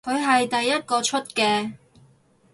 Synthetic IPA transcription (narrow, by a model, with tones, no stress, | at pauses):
kʰɵ˨˧ɥɦɐ˨jt̪ɐ˨jːɐ˥t̚kɔː˧t͡ʃʰɵ˥t̚kɛː˧